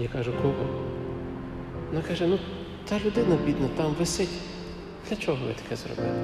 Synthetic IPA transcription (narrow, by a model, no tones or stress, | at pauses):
jikɑʒʊkɔpɔ | nɑkɑʒɛnu | t̪ɑlʲʊd̪ɪnɐbʲid̪nɐt̪ɑmʋɪsɪtʲ | d̪̥lʲɐt͡ʃɔɦɔʋɪ̰t̪ɐ̥kɛzrɔ̰bɪ̰lˠ